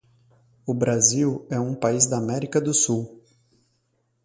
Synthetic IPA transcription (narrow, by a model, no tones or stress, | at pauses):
ʊbɾaziwɛũpaizd̪ɐːmɛɾikɐd̪ʊsuw